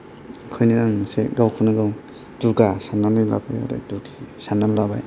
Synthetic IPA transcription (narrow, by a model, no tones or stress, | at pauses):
kʰɯjniɾaŋseɡawkʰɯnaɡaw | duɡasanːanila̰baja̰ɾa̰duɡisananlaba̰j